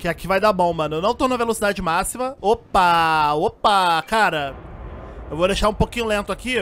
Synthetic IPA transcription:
kɪakivajd̪abõw̃mɐ̃nʊewnɐ̃w̃t̪õnũmɐvelosid̪ad͡ʒɪmasimɐopɐopɐkaɾɐ | ewvod̪eʃaɾũpokĩɲʊlẽnt̪ʊaki

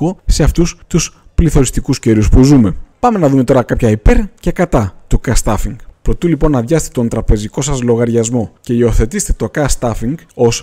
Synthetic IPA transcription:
ose̞ɐft̪ust̪us | pliθo̞ɾist̪ikusceɾiuspuzume̞pɐme̞nɐðume̞t̪o̞ɾɐkɐpçɐipe̞ɾce̞kɐt̪ɐt̪ukɐst̪ɐfiŋɡpɾo̞t̪ilipo̞nːɐðʝɐst̪et̪o̞nt̪ɾɐpe̞ziko̞sɐzlo̞ɣɐɾʝɐzmo̞ce̞io̞θe̞t̪ist̪et̪o̞kɐst̪ɐfiŋɡo̞s

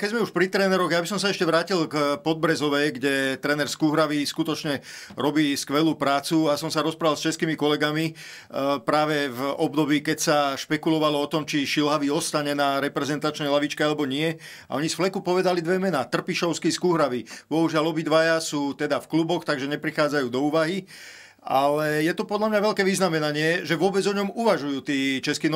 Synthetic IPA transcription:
kɛɟzmɛuʃpɾit̪ɾɛːnɛɾɔɣjabisɔmsaɛʃcɛʋɾaːcilkpɔd̪̚bɾɛzɔʋɛɡɟɛt̪ɾɛːnɛɾskuːɦɾaʋiskut̪ɔt͡ʃɲɛ | ɾɔbiːskʋɛluːpɾaːt͡suasɔmsaɾɔspɾaalst͡ʃɛskiːmikɔlɛɡami | pɾaːʋɛvɔbd̪ɔbiːkɛcsaʃpɛkulɔʋalɔɔt̪ɔmt͡ʃiʃilɦaʋiɔst̪aɲɛnaɾɛpɾɛzɛnt̪at͡ʃnɛjlaʋit͡ʃkɛalɛbɔɲɪɛ | aʔɔɲisflɛkupɔʋɛd̪alid̪ʋɛmɛnaːt̪r̩piʃɔʊskiskuɦɾaʋib̥ɔɦuʒɪalɔbid̪ʋajasuːt̪ɛd̪afklubɔxt̪aɡʒɛɲɛpɾixaːd͡zajuːd̪ɔuːʋaɦi | a̰lɛjɛt̪ɔpɔd̪ʎlamɲaʋɛlkɛːʋiznamɛnaɲɪɛʒɛʋʊɔbɛd͡zɔɲɔmuʋaʒujuːt̪iːt͡ʃɛskiːn

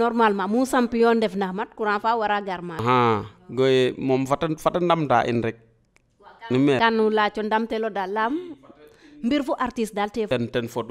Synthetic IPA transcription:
nɔɾmalmamusampijɔndɛfnahmat̚kuɾanfawaɾaɡaɾmaɦaɡojemɔmfatfatandamda̰ʔḭnɾik̚ | nimɛkanulat͡ʃɔndamtɛlɔdalːam | mbiɾfuʔaɾtisdaltɛɛntɛnfod

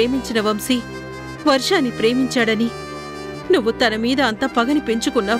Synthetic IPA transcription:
eːmiɲt͡ʃinɐʋɐmsi | ʋɐɾʂaːnːipɾe̞ːmiɲt͡ʃaːɽɐni | nuʋːut̪ɐnɐmiːd̪ɐːnt̪ɐpɐɡɐnipe̞ɲt͡ʃukunːaː

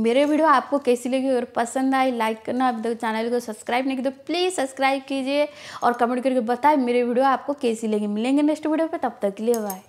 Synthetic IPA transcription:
meːɾeʋiːɖijoaːp̚kokeːsileːɡeɐɡəɾpɐsə̃nd̪aːilaːɪkːɐɾnabd̪t͡ʃaːnəlkosɐbskɾaːɪbnẽkid̪opliːzsɐpskɾaːɪb̚kiːd͡ʒieɔːɾkɐmɛ̃ɳʈkɐɾkebɐt̪aːemeːɾeʋiːɖijoaːp̚kokeːsilẽːŋɡemɪlẽːŋɡenesʈʋiːɖijopet̪ɐb̚t̪ɐkːliebaːe

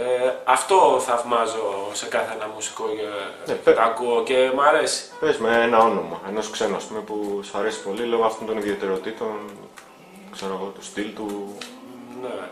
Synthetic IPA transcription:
eɐft̪o̞θɐvmɐzo̞se̞kɐθeenɐmusi̥ko̞nept̪ɐkuoce̞mɐɾe̞si̥pezmeenɐo̞no̞mɐe̞no̞skse̞nuɐspumepusɐɾe̞si̥po̞lilo̞ɣoɐft̪ont̪o̞niðie̞t̪e̞ɾo̞t̪it̪o̞n | kseɾoɣo̞t̪u̥st̪ilt̪u | ne

